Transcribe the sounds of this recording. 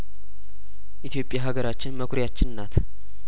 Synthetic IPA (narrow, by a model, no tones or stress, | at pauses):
ʔit̪ʰijo̞pʼjaɦaɡəɾat͡ʃːɪnməkʷʰɾjat͡ʃːɪnɨnːat̪